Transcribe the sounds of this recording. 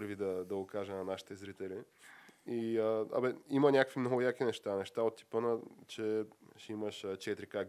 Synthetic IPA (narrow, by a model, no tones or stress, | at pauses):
ɾvid̪ɐd̪ɐɡokaʒɛnɐnaʃi̥t̪ɛzɾit̪ɛli | iəɐ̰bɛimənʲakəkvimnoɡjakinɛʃt̪anɛʃt̪aot̪ːi̥pənət͡ʃɛʃɛiməʃət͡ʃɛt̪ɾika